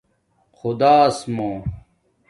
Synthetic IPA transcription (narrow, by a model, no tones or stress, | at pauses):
xud̪aːsmõː